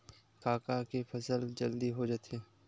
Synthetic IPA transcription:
kaːkakefʰɐsəld͡ʒɐld̪iɦod͡ʒat̪eː

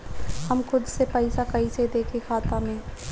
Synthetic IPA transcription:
hɐmxʊd̪sepɛɪsakɐised̪eːkʰexaːt̪ãmẽː

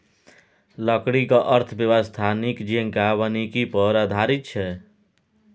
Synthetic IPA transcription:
ləkɽikəʔəɾt̪ʰəbjəʋəst̪ʰanikd͡ʒiŋkaβənikipəɾad̪ʱaɾit̪̚t͡ʃʰɛ

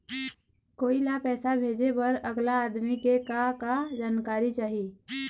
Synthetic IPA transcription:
koːilapɛːsabʱed͡ʒepəɾəɡlaːd̪mikekakad͡ʒaːnkaːɾit͡ʃaːɦi

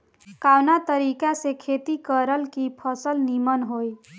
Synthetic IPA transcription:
kawnat̪əɾikasekʰet̪ikəɾəlkipʰəsəlnimənɦoj

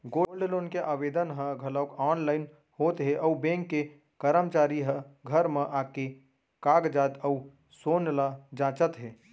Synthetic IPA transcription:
ɡoːlɖloːnkeʔaːʋeːd̪ənɦə̃ɡʱələːkɔːnlaːɪn | hoːt̪ɦeʔəʊbẽːŋkːe | kəɾəmt͡ʃaːɾiɦəɡʱəɾmẽʔaːke | kaːɡd͡ʒaːt̪əu | soːnlad͡ʒãːt͡ʃət̪ɦeː

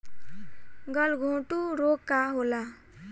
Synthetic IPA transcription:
ɡʌlɡʱõːʈuɾokːaɦola

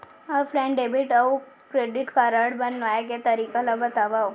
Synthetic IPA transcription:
afɾɛ̃ɳɖebiʈau | kɾeɖiʈkaɾaɽbənʋajaket̪əɾiːkalabət̪aʋaw

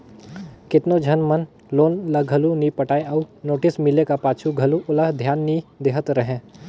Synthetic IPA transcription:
kɪt̪nod͡ʒʱɐnmən | loːnləɡʱəlunipəʈaːeɐunoːʈɪsmɪlekapaːt͡ʃʰuɡʱɐluʊləɦd̪ʱjaːnːid̪eɦət̪ɾəɦẽː

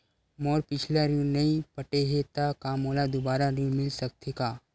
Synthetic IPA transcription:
mɔːɾpɪt͡ʃʰlaɾũnɐĩpɐʈeɦet̪akaːmoːlad̪ʊbaːɾaɾũmɪlsɐk̚t̪ekaː

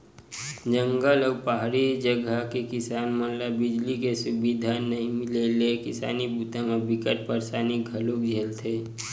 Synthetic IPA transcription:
d͡ʒə̃ŋɡəlɔːɾpaɦaɾid͡ʒəɡakekɪsaːnmənlabɪd͡ʒlikesʊbid̪ʱanəɦĩmɪlelekɪsa̰ːnibuːt̪ʰəməbʱikəɾ̚pəɾsaːniɡʱəlõkd͡ʒʱelt̪ʰeː

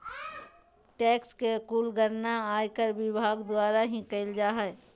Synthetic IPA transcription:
ʈɛːkskekuːlɡəɾnaaːjkəɾʋɪbʱaːɡd̪ʊwaːɾaɦĩkəɪld͡ʒaːɦɛ

